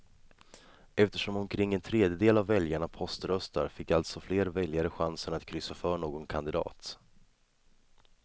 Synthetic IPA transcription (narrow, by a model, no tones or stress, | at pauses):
ɛft̪əʂɔmɔmkʰɾɪŋːɛnt̪ʰɾeːd̪jəd̪eːlavːɛljaɳapʰɔst̪ɾœst̪a̰ɾfɪkːalt̪sɔfleːɾvɛljaɾəɧansənat̪kʰɾʏsːafœːɳoːɡɔnkʰand̪ɪd̪ɑ̰ːt̪